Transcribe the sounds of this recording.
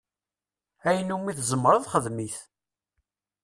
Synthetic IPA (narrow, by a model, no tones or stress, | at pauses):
æjənːumiθzəmːɾˤɑðˤχəðmiθ